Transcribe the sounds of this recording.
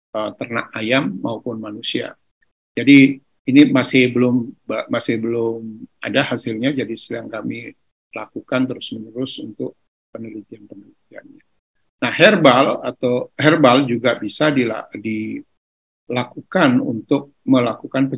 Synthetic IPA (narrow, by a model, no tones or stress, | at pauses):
ət̪ərna̰ʔajamːaupʊnmanusia̰ | d͡ʒadiː | nimasɪhbəlʊmbəmasɪhbəlʊma̰dahasɪlɲad͡ʒadisəaŋkami | lakukant̪əɾʊsmənəɾʊsunt̪ʊk̚ | pənəlit̪ianpənəlit̪ia̰nɲa | nahhɛrbalat̪awhɛrbald͡ʒuɡabisadila̰di | lakukanṵnt̪ʊk̚məlakukanpə